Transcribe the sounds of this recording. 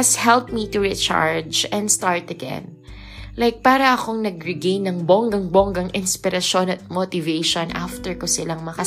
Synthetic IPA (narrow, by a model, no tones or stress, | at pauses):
ɐshɛlp̚mit̪uɹit͡ʃa̰ɹd͡ʒɛ̃nd̪st̪aɹt̪ɐɡɛ̰̃n | lajk̚paːɾɐʔɐko̞ŋnɐɡɹɪɡẽjnːɐŋboŋɡɐŋboŋɡɐŋɪnspɪɾɐʃo̞nɐt̪̚mot̪ɪvejʃonʔa̰ft̪ɛɹkosɪlaŋmɐkɐ